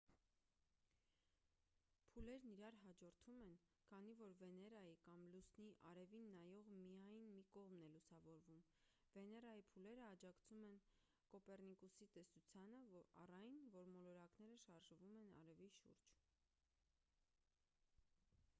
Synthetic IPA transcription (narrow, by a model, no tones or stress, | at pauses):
pʰulɛɾniɾɑɾɦɑd͡ʒɔɾt̪ʰumɛn | kʰɑnivɔɾvɛnɛɾɑjikɑmlusniʔɑɾɛvinːɑjɔʁmijɑjnmikɔʁmnɛlusɑvɔɾvum | vɛnɛɾɑjipʰulɛɾəɑd͡ʒɑkt͡sʰumɛn | kɔpɛrnikusit̪ɛsut͡sʰjɑnəɑ̰rɑjnvɔɾmɔlɔɾɑknɛɾəʃɑɾʒvumɛnɑ̰ɾɛviʃṵɾd͡ʒ